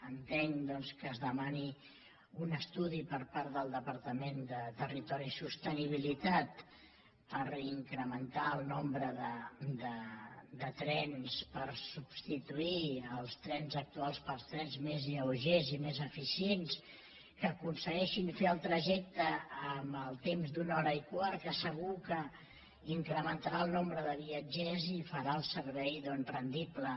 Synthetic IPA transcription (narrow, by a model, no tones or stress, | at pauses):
ənt̪eŋd̪ɔnskəːzðəmani | unəst̪uðipəɾpaɾt̪ðəlˠd̪əpəɾt̪əmend̪ət̪ərit̪ɔɾisust̪əniβilit̪at̪ | pəɾiŋkɾəmənt̪aəlˠnombɾəðəd̪əd̪ət̪ɾɛnspəɾsubst̪it̪uiəlˠst̪ɾɛnzək̚t̪ualˠspəlst̪ɾɛnzmeziəuʒezimezəfisiens | kəkunsəɣɛʃinfeəlˠt̪ɾəʒɛk̚t̪əːməlˠt̪emzd̪unɔɾəikwaɾkəsəɣ̞ukə | iŋkɾəmənt̪aɾaəlˠnombɾəðəβiəd͡ʒɛzifəɾaəlˠsəɾβɛjðɔnzrənd̪iplə